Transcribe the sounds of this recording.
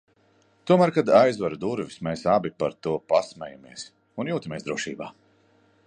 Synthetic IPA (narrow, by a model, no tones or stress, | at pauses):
t̪uɔmæːɾkad̪ajzvaɾud̪uɾvismesabipaɾt̪uɔpasmɛ̰jamiɛs | unjuːt̪amieɛsd̪ɾuɔʃḭːbaː